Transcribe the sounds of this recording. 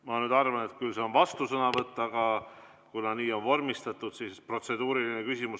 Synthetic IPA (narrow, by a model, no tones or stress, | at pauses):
mɑnyːd̪ɑrvɑne̞t̪̚kylse̞o̞nvɑst̪usɤnɑvɤt̪ːˑɑɡ̥ɑ | kunɑniːo̞nvo̞rmist̪ɑt̪ːˑud̪̥sispro̞t̪se̞d̪̥uːɾilinekysʲimus